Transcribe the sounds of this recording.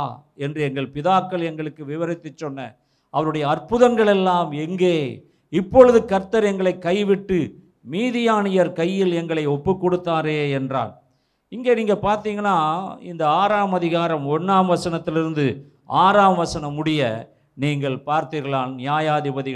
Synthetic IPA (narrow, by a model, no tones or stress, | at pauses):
ɛndrɯɛŋɡɐɭpɪðaːkːɐɭɛŋɡɐɭɯkːɯʋɪʋɐɾɪt̪ːɯt͡ʃːɔnːɐ | ʔɐʋɐɾɯɽɐjɐːɾpɯðɐŋɡɐɭɛlːaːmɛŋɡeː | ɪpːɔɻɯðɯkɐɾt̪ːɐɾɛŋɡɐɭɐɪkːɐɪʋɪʈːɯ | miːðɪjaːnɪjɐɾkɐjːɪlɛŋɡɐɭɐɪɔpːɯkːɔɽɯt̪ːaːɾeːɛndra̰ːn | ɪŋɡeːniːŋɡɐpaːɾt̪iːŋɡɐlːaːɪ̰nd̪ɐaːɾaːmɐðɪɣaːɾɐmɔnːaːmʋɐsɐnɐt̪ːɪlɪɾɯnd̪ɯ | aːɾaːmʋɐsɐnɐmʊɽɪjɐ | niːŋɡɐɭpaːɾt̪iːɾɣɐlaːnnɪjaːjaːðɪbɐðɪɣɐ